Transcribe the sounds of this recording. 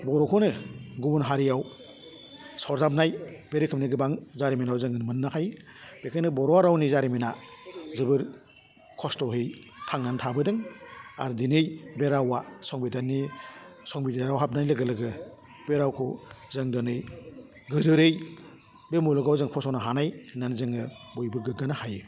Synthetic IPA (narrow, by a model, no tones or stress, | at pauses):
bɔɾɔkʰɔnɯɡubunɦaɾijaw | sɔɾzap̬̚najbeɾikʰɯmnɯɡɯbaŋzaɾiminawzɯŋɯnmɯnːakʰajb̥ekʰajnɯbɔɾɔaɾawnizaɾiminazɯbɯɾ | kʰɔstɔɦej | tʰaŋnantʰabɯdɯŋa̰ɾdinɯjbeɾawasɔŋbidanisɔŋbidaɾawɦap̚najlɯɡɯlɯɡɯ | beɾawkʰɔzɯŋdɔnɯj | ɡɯzɯɾɯj | bemulɔɡawzɯŋpʰɔsɔwnaɦanajnanzɯŋɯbojbɯɡɯɡanahaj